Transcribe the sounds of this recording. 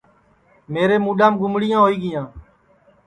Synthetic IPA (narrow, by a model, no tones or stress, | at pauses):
meːɾeːmuːɗaːmɡʊmɽɪjãːɦoːiːɡɪjãː